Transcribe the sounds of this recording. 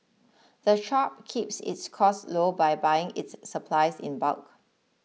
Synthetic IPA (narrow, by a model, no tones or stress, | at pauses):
ð̥əʃɔp̚kʰipsɪ̰tskʰɔstlobaɪbajɪ̃ŋɪ̰tsːəpʰlaɪsɪ̰̃nba̰lk